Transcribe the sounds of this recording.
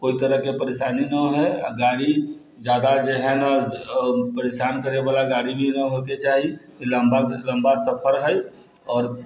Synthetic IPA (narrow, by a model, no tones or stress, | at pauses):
koːit̪əɾəɦkepəɾeːʃaːninəɦɛa̰ɡaːɾi | d͡ʒjaːd̪ad͡ʒeɦɛna | pəɾeʃaːnkəɾebaːlaɡaːɽibʱinəɦoket͡ʃaːɦikiləmbalə̃mbasəpʰəɾɦə | ɔːɾ